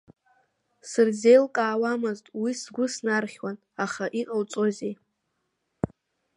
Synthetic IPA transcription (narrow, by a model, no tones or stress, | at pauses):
sɨrze̞jlkʼaːwamɨztʼwisɡʷʊsnarχʲwan | aχaʔiqʼawt͡sʼozej